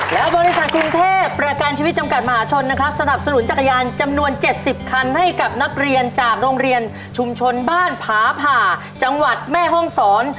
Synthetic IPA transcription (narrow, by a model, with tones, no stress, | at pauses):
lɛː˦˥wbɔː˧ɾi˦˥sa˨˩t̪̚kʰɾu˧ŋt̪ʰeː˥˩pːɾa˧kaː˧nt͡ɕʰiː˧wt̪̚t͡ɕa˧mka˨˩t̪̚ma˧ɦaː˩˦t͡ɕʰo˧nːa˦˥kʰɾa˦˥p̚sa˧na˨˩p̚sa˧nu˩˦nt͡ɕa˨˩kʰːa˧jaː˧nt͡ɕa˧mnu˧ənt͡ɕe˨˩t̪̚si˨˩p̚kʰa˧nha˥˩jka˨˩p̚na˦˥k̚ɾi˧ənt͡ɕaː˨˩k̚ɾoː˧ŋɾi˧ən | t͡ɕʰu˧mt͡ɕʰo˧nbaː˥˩npʰaː˩˦pʰaː˨˩ | t͡ɕa˧ŋwa˨˩t̪̚mɛː˥˩ɦɔ˥˩ŋsɔː˩˦n